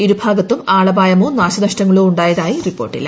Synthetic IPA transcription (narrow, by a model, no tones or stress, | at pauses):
iɾubʱaːɡɐt̪ːumaːɭɐbaːjɐmoːnaːɕɐnɐʂtɐŋːɐɭoːuɳɖaːjɐðaːjiripːo̞ːrʈːḭl